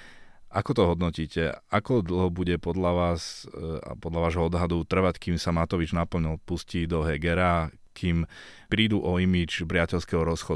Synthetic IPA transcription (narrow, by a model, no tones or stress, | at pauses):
ʔakɔt̪ɔɦɔd̪nɔciːcɛakɔd̪l̩ɦɔbuɟɛpɔd̪ʎaʋaːsa̰pɔd̪ʎaʋaːʒɦɔɔd̪ɦad̪ut̪r̩ʋackiːmsamat̪ɔʋid͡ʒnapl̩ɲilpusciːd̪ɔɦɛɡɛɾa | kʰiːm | pɾiːd̪uʔɔimid͡ʒpɾɪacɛʎskɛɦɔɾɔsxɔd̪